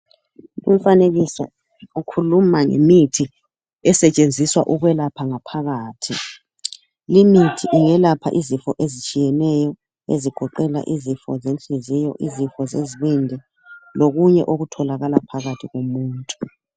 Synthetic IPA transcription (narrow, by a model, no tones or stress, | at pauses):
ṵm̩faneɣisa̰ | ukʰulumaŋḛmitʰi | ɛsɛt͡ʃʼend͡zʱiswa̰ʔuɣwɛlapʰaŋapʰaɣaːtʰi | limitʰiʔiŋɛlapʰa̰ʔizifɔʔezit͡ʃʼijɛnɛjɔ | eziɡ̥ʱɔǃɛla̰ʔizifɔ̰zent͡ɬizijɔ̰ʔizifɔzeziβindʱɛ | loɣuɲɛ̰ʔoɣutʰɔlaɣalapʰaɣatʰiɣomuːntʼu̥